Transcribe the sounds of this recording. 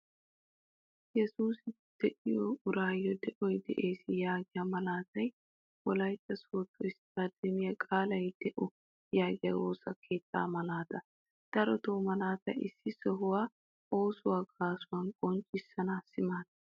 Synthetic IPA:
jɛsuːsɪ | d̪̥ɛʔɪjɔʊɾaːjːɔd̪ɛʔɔjd̪ɛ̰ʔe̞ːsɪjaːɡɪjamɐlaːt̪ɐj | wɔlɐjt̪ʼːɐsoːt̪ːɔɪsɾad̪ɛmɪjɐkʼaːlɐjd̪ɛʔɔ | jaːɡɪja̰woːsɐkʰe̞ːt̪ʰːa̰ːmɐlaːt̪ɐ | d̪̥ɐɾɔt̪oːmɐlaːt̪ɐjɪsːɪsɔɦʊwaː | o̞ːsʊwaːɡaːsʊwɐnkʼɔnt͡ʃʼːɪsːɐnasɪmaːt̪ɐ

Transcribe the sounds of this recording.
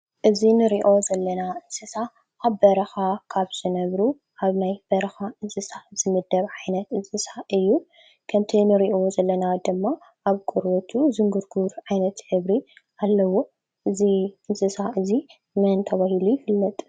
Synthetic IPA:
ʔɨzinɨɾiʔo̞zɐlːɐnaʔɨnsʼɨsa | ʔaβbɐɾɐxakʰaβz̥ɨnɐβɾu | ʔaβnajb̥ɐɾɐxaʔɨnsʼɨsaz̥ɨmɨd̪ːɐβʕajnɐt̪ɨnsʼɨsaʔɨjːu | kʰɐmt̪ʰinɨɾiʔzɐlːɐnad̪ɨmːa | ʔaβkʼuɾβot̪ʰuzɨŋɡɨɾɡuɾʕajnɐt̪ħɨβɾiʔalːɐwːo | ʔɨziʔɨnsʼɨsaʔɨzi | mɐnt̪ʰɐβahilujɪfɨlːɐt̪ʼ

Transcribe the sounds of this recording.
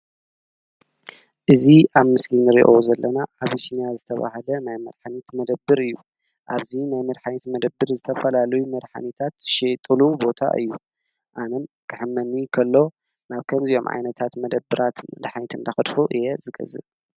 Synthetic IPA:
ʔɨziʔaβmɨslinɨɾḭʔozɐlːɐnaʔaβisinjazɨt̪ʰɐβa̰halɐnajmɐd̪ħanit̪mɐd̪ɐbːɨɾɨjːu | ʔaβzinajmɐd̪ħanit̪mɐd̪ɐbːɨɾzɨt̪ʰɐfɐlalɐjumɐd̪ħa̰nit̪ʰat̪ʃet̪ʼɨlubo̞t̪ʰa̰ʔɨ̰jːu | ʔanɐmkʰɨħɨmːɐnːikʰɐlːo̞ | naβkʰɐmzijo̞mʕa̰jnɐt̪ʰat̪mɐd̪ɐbːɨɾʔat̪mɐd̪ħanit̪ʰɨnd̪axɨd̪ħuʔɨjɛzɨɡɐ̰zɨ̰

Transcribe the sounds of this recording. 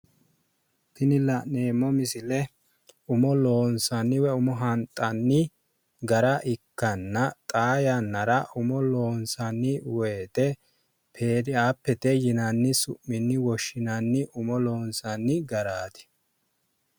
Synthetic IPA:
pɪnɪlɐne̞ːmːɔmɪsɪlɛ | ʊmɔlo̞ːnsɐnːɪwɛʊmɔɦɐnt̪ʼːɐnːɪ | ɡɐɾɐʔɪkːɐnːɐt̪ʼaːjanːɐɾɐʔʊmɔloːnsɐnːɪweːt̪ɛ | pʰe̞ːd̪ɪaːpːɛt̪ɛjɪnɐnːɪsʊ̰ʔːɪnːɪwɔʃːɪnɐnːɪʔʊmɔlo̞ːnsɐnːɪɡɐɾaːt̪ɪ̥

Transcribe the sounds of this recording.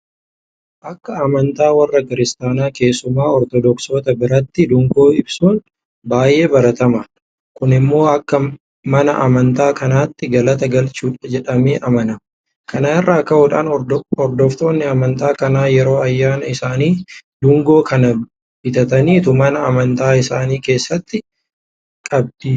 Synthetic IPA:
ʔɐkːɐːmɐnt̪aːwɐrːɐkɪɾɪst̪aːnaːke̞ːsːʊmaːɔɾt̪ɔd̪ɔkso̞ːt̪ɐbɪɾɐt̪ːɪd̪ʊŋɡo̞ːɪbsuːn | baːjʔe̞ːbɐɾɐt̪ɐmɐn | kʊnɪmːo̞ːɐkːɐ | mɐnɐʔɐmɐnt̪aːkɐnaːt̪ːɪɡɐlɐt̪ɐɡɐlt͡ʃuːᶑɐd͡ʒɛᶑɐmeːʔɐmɐnɐ | kɐnɐɪrːaːkːɐhuːᶑaːnɔɾd̪ɔft̪o̞ːnːɪɐmɐnt̪aːkɐnaːjɛɾo̞ːɐjːaːnɐɪsaːniːd̪ʊŋɡo̞ːkɐnɐ | bɪt̪ɐt̪ɐniːt̪ʊmɐnɐːmɐnt̪aːɪsaːniːke̞ːsːɐt̪ːɪ | kʼɐb̚d̪̥iː

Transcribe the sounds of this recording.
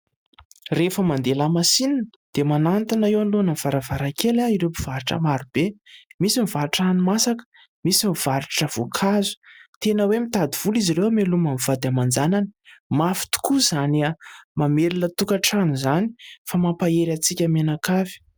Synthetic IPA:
refəmand̪elamasinanəd̪̥emanant̪inaewanlonav̥aɾavaɾakelaiɾepiv̥aɾiʈ͡ʂə̰maɾub̥emisimivaɾiʈ͡ʂanimasakə̥ | misimiv̥aɾiʈ͡ʂəv̥okʰazu̥t̪enəwemit̪ad̪iv̥uliziɾewamelumamiv̥ad̪amand͡zananimafi̥t̪u̥kuzanamamelilət̪ukaʈ͡ʂanuzani̥famapaeɾat͡sikʲəmanakavi̥

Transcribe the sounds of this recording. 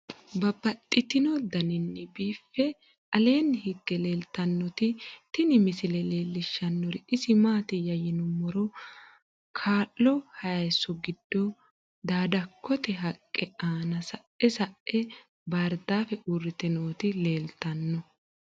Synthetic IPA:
bɐbɐt̪ʼːɪt̪ɪnɔd̪ɐnɪnːɛbiːfːɛ | ʔɐle̞ːnhɪɡːɛle̞ːlt̪ɐnːɔt̪ɪt̪ɪnɪmɪsɪlɛle̞ːlːɪʃːɐnːɔɾɪʔɪsɪmaːt̪ɪjɐjɪnʊmːɔɾɔ | kʰaːlːɔhɐjɐjsɔɡɪd̪̥ːɔ | d̪aːd̪ɐkːɔt̪ɛɦɐkʼːɛaːnɐsɐ | ɛsɐʔɛ | baɾd̪aːfɛʔurːɪt̪ɪnoːt̪ɪle̞ːlt̪ɐnːɔ

